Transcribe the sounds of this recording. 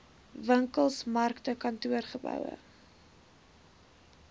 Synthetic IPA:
vəŋkəlˠsmɐrktəkɐntuərχəbœ̰wə̰

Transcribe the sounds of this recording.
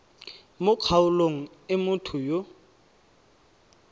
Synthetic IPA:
mʊq͡χʰaʊloŋ̩ | ɪmʊtʰʊjo

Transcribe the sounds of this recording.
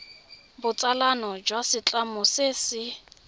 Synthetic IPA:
bʊt͡sʼalanɔd͡ʒwasɪt͡ɬʼamʊsɪsɪ

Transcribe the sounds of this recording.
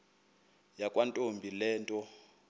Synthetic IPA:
jakʼwantʼombʱilɛːntʼɔ

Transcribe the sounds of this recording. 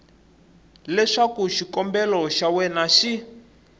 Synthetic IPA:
lɛʂakuʃikɔmbɛlɔʃawɛnaʃi

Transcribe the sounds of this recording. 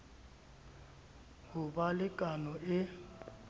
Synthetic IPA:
hʊbalɪkʼanɔʔɪ

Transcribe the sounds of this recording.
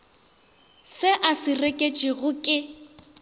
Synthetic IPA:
sɪʔasɪrekʼet͡ʃʼiɣʊkʼɪ

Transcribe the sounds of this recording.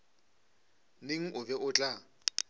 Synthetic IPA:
neŋ̩ʔʊbɛʔʊt͡ɬʼa

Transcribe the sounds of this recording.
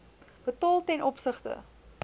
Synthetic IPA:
b̥ətɑːlˠtɛnʔɔpsəχtə̰

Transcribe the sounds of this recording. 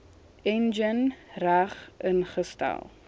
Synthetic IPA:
ɛnd͡ʒənræχənχəsta̰lˠ

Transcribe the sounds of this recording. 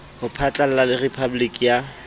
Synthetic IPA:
hʊpʰat͡ɬʼal̩lalɪrepʰabʊlikʼija

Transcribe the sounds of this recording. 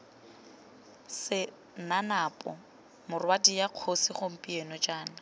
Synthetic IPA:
sɪ | nanapʼɔ̰ | mʊrwatʼijaq͡χʰosɪχom̩pʼienɔd͡ʒʼaːna

